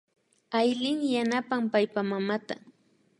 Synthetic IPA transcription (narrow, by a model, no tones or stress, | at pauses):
ajlɪŋjanapampajpamamat̪a